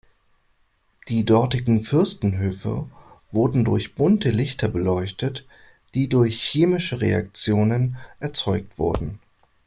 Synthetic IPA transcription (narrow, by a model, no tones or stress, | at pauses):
d̥iːdɔɐtɪɡŋ̩fʏɐstn̩ɦøːfə̰v̥ʊɐdn̩dʊɐçb̥ʊntəlɪçtɐbəlɔʏçtət | d̥iːdʊɐçːeːmɪʃəʁḛa̰k̚t͡sjoːnənʔɛɐt͡sɔʏk̚tv̥ʊ̰ɐdn̩